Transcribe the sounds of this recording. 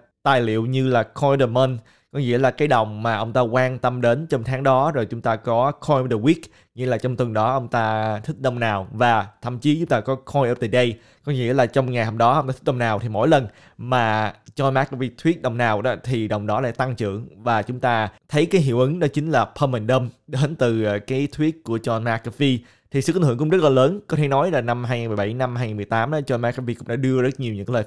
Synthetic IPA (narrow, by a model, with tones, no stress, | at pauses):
t̪aː˨˩jlḭ˧˨wɲɨ˧laː˨˩kʰɔ˧jɗəː˨˩mə˧n | kɔ˨˦ŋḭ˧˥əlaː˨˩kaː˨˦jɗə˨˩wŋ͡mmaː˨˩ʔə˧wŋ͡mt̪aː˧kwaː˧nt̪ə˧mɗe˨˦nt͡ɕɔ˧ŋ͡mt̪ʰaː˨˦ŋɗɔ˨˦zo˨˩jt͡ɕʊ˨˦ŋ͡mt̪aː˧kɔ˨˦kʰɔ˧jɗə˨˩wi˦˥k̚ | ŋḭ˧˥laː˨˩t͡ɕɔ˧ŋ͡mt̪wɨ˨˩ŋɗɔ˨˦ʔə˧wŋ͡mt̪aː˧t̪ʰï˦˥k̚ɗə˧wŋ͡mnaː˨˩wvaː˨˩t̪ʰə̰˧˨mt͡ɕi˨˦t͡ɕʊ˨˦ŋ͡mt̪aː˧kɔ˨˦kʰɔ˧jʔəː˧˩t̪a̰ː˧˩jɗə˧j | kɔ˨˦ŋḭ˧əlaː˨˩t͡ɕɔ˧wŋ͡mŋa˨˩jɦə˧˨˩ŋ͡mɗɔ˨˦ʔə˧wŋ͡mt̪aː˧t̪ʰi̥˦˥ɗə˧ŋ͡mnaː˨˩wt̪ʰi˨˩mo̰˧˥jlə˨˩n | maː˨˩t͡ɕɔ˧nmaː˨˦˥kːvi˧t̪ʰwi˦˥ət̚ɗə˨˩wŋ͡mnaː˨˩wɗɔ˨˦t̪ʰi˨˩ɗə˨˩wŋ͡mɗɔ˨˦la̰ː˧˩jt̪a˧ŋt͡ɕɨ̰˧˨əŋvaː˨˩t͡ɕʊ˨˦ŋ͡mt̪aː˧t̪ʰə˨˦jkaː˨˦jɦḭ˧˨əwʔɨ˨˦ŋɗɔ˨˦t͡ɕï˨˦ŋ̟laː˨˩pʰəː˧mə˨˩nɗə˧mɗe˨˦nt̪ɨ˨˩˨kaː˨˦jt̪ʰwi˦˥ət̚ku˧˩ət͡ɕɔ˧nmaː˦˥kːə˧vi˧ | t̪ʰi˨˩sɨ̰˨˧˨ʔnŋɨ̰˧˩˨kʊ˧˥ŋ͡mzə˦˥t̚laː˨˩ləː˨˦nkɔ˨˦t̪ʰe˧˩nɔ˨˦jlaː˨˩na˧mɦaː˧jŋaː˨˩nmɨ˨˩jɓa˧˩jna˧mhaː˧ja˨˩nmɨ˨˩əjt̪aː˨˦mɗa˨˦t͡ɕɔ˧nmaː˧˥kːə˧vi˧kʊ̰˧˥ŋ͡mɗa̰ː˧˥ɗɨ˧əzə˦˥t̚ɲi˨˩əwɲɨ̰˧˥ŋaː˨˦ləː˨˩